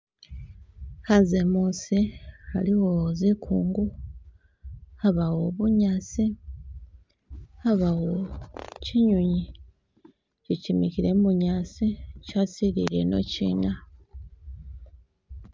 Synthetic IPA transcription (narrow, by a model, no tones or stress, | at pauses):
hazemuosihaliwozikʰuːŋɡu | aβawo̞βuɲat͡si | aβawociɲuɲi | cicimikiɾemuɲaːsicasiɾḭɾe̞̰no̞̰cḭːna